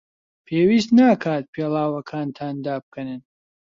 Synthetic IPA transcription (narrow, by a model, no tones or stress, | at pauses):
pʰeːwiːst̪naːkʰaːt̪̚pʰeːlˠaːwɐkʰaːnt̪ʰaːnd̪aːb̚kʰɐnɨn